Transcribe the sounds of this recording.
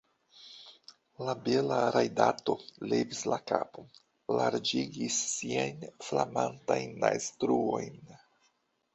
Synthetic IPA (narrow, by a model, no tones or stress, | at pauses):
labe̞laɾajdato̞levislakapo | laɾd͡ʒiɡisːiajnflamantajnːajstɾuo̞jn